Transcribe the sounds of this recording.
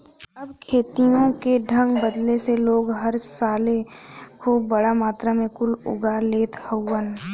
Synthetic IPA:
ɐbkʰeːt̪ijõkeɖʱə̃ŋɡbəd̪leseloːɡɦəɾsaːlekʰuːpːəɽamaːt̪ɾamẽkʊlʊ̰ɡaleːt̪həwən

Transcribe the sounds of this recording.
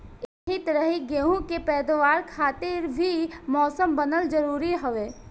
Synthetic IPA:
ɦit̪ɾəɦiɡeːɦũkepɛːd̪ʋaːɾkʰaːt̪ɪɾbʱimɔːsəmbɐnəld͡ʒɐɾuːɾiɦɐʋeː

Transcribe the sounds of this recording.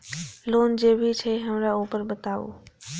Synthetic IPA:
loːnd͡ʑeːbʱit͡ɕʰeɦəmɾauːpəɾbət̪aːṵː

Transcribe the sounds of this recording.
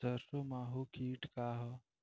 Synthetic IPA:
əɾsomaːɦukʰiːʈkaɦə

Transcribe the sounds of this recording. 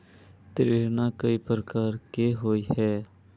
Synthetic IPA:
t̪ɾeːɾnakəipɾəkaːɾkeɦoːihɛː

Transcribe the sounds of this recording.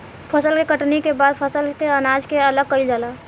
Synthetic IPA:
pʰɐsəlkekɐʈnekebaːd̪pʰɐsəlkeɐnaːd͡ʒkeɐləɡ̚kəɪld͡ʒaːlaː

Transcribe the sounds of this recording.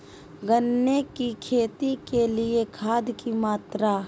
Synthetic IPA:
ɡənːekikʰeːt̪ikelɪekʰaːd̪kimaːt̪ɾa

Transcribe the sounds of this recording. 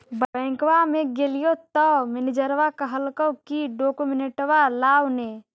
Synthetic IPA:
bəbɛ̃ŋkwamẽɡelijot̪ɔmɪnid͡ʒəɾʋakəɦəlkəwkiɖokumineʈwalaːwne

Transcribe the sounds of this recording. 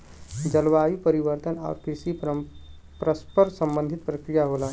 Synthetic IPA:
d͡ʒəlʋajipəɾiʋəɾt̪əna̰ʊɾkɾiʃi | pɾəspəɾsə̃mbə̃nd̪ʱit̪̚pɾəkɾijaɦola

